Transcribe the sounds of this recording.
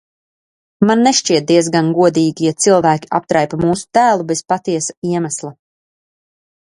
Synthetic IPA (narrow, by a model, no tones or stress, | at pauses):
manːeʃt͡ʃiɛt̪̚d̪iɛzɡanɡuɔd̪iːɡijat̪silˠvæːkʲi̥a̰p̚t̪ɾajpamuːsu̥t̪æːlˠubespat̪iɛsḁiɛmaslˠa